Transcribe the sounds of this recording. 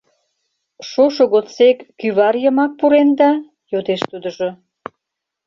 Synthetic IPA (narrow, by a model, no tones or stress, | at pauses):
ʃoʃoɣott͡sekːyβɑɾjəmɑk̚puɾend̪ɑ | jod̪eʃt̪ud̪əʒo